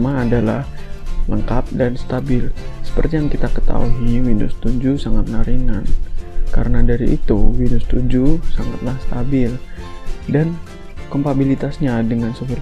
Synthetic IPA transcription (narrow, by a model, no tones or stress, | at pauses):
maːdala̰h | ləŋkap̚danst̪abɪlsə̥pə̰rt̪ijaŋkit̪akət̪a̰uɦiwinʊst̪uɲd͡ʒusaŋat̪̚naɾinankaɾənadaɾiʔḭt̪uwinʊst̪ud͡ʒusaŋat̪lahst̪abɪl | dan | kɔmp̪abilit̪asɲadəŋansofir